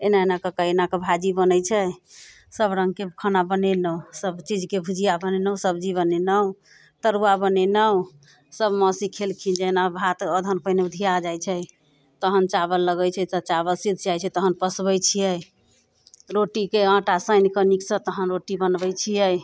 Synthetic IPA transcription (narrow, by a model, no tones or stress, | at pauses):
enaenakəkəenakebʱad͡ʒibənəjt͡ʃʰə | səbɾəŋɡkekʰənabənenəusəbt͡ʃid͡ʒkebʱud͡ʒʱijabənenəwsəbd͡ʒiβənenəu | t̪əɾuwabənenəw | səbməsikʰelkʰind͡ʒenabʱat̪əd̪ʱənpəjneud̪ʱijad͡ʒajt͡ʃʰɛj | t̪əɦənt͡ʃabəlːəɡəjt͡ʃʰɛt̪ət͡ʃaβəlsid̪ʱd͡ʒajt͡ʃʰɛt̪əɦənpəsbəjt͡ʃʰijəj | ɾoʈikeãʈasəjnkəniksə̃t̪əɦənɾoʈibənbəjt͡ʃʰijəj